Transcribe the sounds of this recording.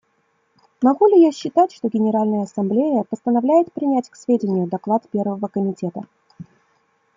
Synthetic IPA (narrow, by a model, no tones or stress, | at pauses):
mɐɡulʲɪjaɕːɪt̪atʲʂt̪oɡʲɪnʲɪɾalʲnəjəɐsɐmblʲejəpəst̪ənɐvlʲæjɪt̪pɾʲɪnʲætʲksvʲedʲɪnʲɪjʊd̪ɐklˠat̪pʲe̞rvəvəkəmʲɪtʲe̞t̪ə